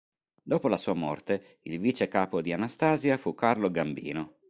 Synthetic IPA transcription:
d̪oːpolasuːamɔ̰rt̪e | ilviːt͡ʃekaːpod̪ianast̪aːzjafukːarloɡambḭːno

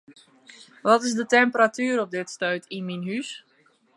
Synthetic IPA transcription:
ʋɔtɪsdətɛmpəɾatyːəɾɔp̚dɪtstœɥtʰinminɦys

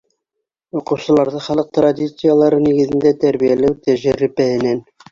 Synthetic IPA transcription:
uqɤ̆wsɤ̆lˠɑɾðɤχɑlˠɤq̚t̪rad̪ʲit̪sɨjalˠɑɾɤniɡɘ̆ðɘ̆nd̪æt̪æɾβijælæwt̪æʒæɾɘ̆pæhɘ̆næn

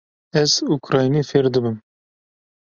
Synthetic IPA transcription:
ɛzukɾɑːjnifeɾd̪ɨbɨm

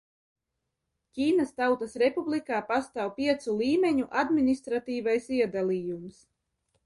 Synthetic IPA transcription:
cʲiːnast̪awt̪asɾepublikaːpast̪aːwpʲiɛt̪sulˠiːmʲeɲuʔad̪minist̪ɾat̪iːvajsiɛd̪aliːjums

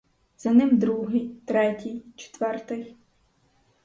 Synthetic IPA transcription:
z̥ɐnɪmd̪ɾuɦɪjt̪ɾɛtʲijt͡ʃe̥t̪ʋɛrt̪ɪx

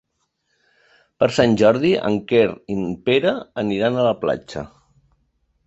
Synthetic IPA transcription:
pəɾsanʲʒɔɾðiʔə̰ŋkeɾimpeɾəəniɾanələpla̰t͡ʃə̰

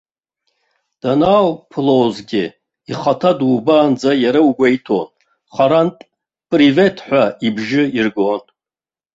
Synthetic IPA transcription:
d̥anawpʰlozɡʲɪ | iχatʰadubaːnd͡zajaɾawuɡʷaitʰo̰n | χaɾantʼ | pʼrive̞tʰħʷᶣaibʒɪirɡon

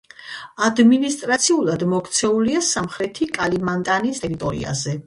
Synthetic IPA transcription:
ad̪minist̪ʼɾat̪sʰiulˠad̪mɔkʰt̪sʰɛuliasamχɾɛt̪ʰikʼalimant̪ʼanist̪ʼɛɾit̪ʼɔɾḭa̰zɛ

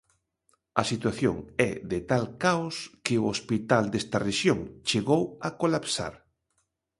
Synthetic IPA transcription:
ɐsit̪waθjo̰ŋɛðɪt̪alkaoskɪʊospit̪ald̪est̪ɐreʃjoŋt͡ʃeɣowakolapsa̰ɾ

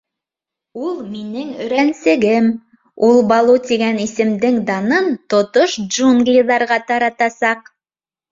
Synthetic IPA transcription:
ulˠminɘŋɵ̆ɾænsɘ̆ɡɘm | ulˠbɑlˠut̪iɡænisɘ̆md̪ɘŋd̪ɑnɤnt̪ŏt̪oʃdʒuŋɡlʲiðɑɾʁɑt̪ɑɾɑt̪ɑsɑq

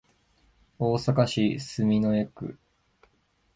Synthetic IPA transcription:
oːsakaɕisɨmʲinoe̞kɯ̟̰

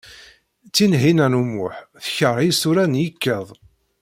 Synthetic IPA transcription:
t͡sːinɦinænumʊħθəçəɾˤisuɾænjikːəðˤ

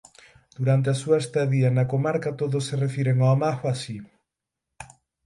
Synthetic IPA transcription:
d̪̥uɾant̪̬easuɐest̪aðiɐnɐkomaɾkɐt̪oðosːerefiɾeŋoamaxoasi

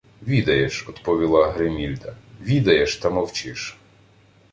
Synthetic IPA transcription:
ʋʲid̪ɐjeʃɔd̪pɔʋʲilˠɑɦɾemʲilʲd̪ɐʋʲid̪ɐjeʃt̪ɐmɔwt͡ʃɪʃ

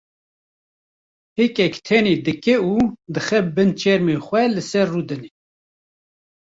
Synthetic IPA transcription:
hekɛkt̪ʰɛneːd̪ɨkɛuːd̪ɨxɛbɨnt͡ʃʰɛɾmeːxʷɛlɨsɛrːuːd̪ɨne

